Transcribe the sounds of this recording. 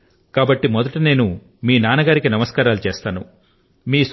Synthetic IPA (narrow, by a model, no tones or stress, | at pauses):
kaːbɐʈːimɔd̪ɐʈine̞ːnu | miːnaːnɐɡaːɾikinɐmɐskaːɾaːlut͡ʃeːst̪aːnṵ | miːs